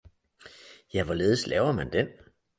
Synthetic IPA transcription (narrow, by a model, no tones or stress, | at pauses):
jæʋɒle̝ːð̞̩ˠslɛ̰ːʊɐmænd̥em